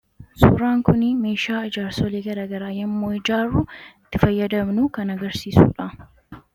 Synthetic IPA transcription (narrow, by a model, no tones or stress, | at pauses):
sṵːɾaːŋkʊnɪme̞ːʃaːɐd͡ʒaːɾsɔleːɡɐɾaːɡɐɾaːjɐmːoːɪd͡ʒaːɾːuɪt̪ːɪfɐjːɐd̪ɐmnʊkɐnɐɡɐɾsiːsṵːᶑɐ